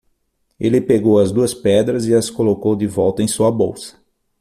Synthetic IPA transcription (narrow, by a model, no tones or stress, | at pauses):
elɪpeɡowɐzd̪uɐspɛd̪ɾɐzɪɐskolokowd̪ɪvɔwt̪ɐẽj̃suɐbowsɐ̥